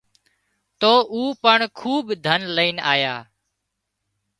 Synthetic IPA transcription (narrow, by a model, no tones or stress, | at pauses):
t̪oːʔuːpəɳkʰuːbd̪ʱənləiːnaːjaː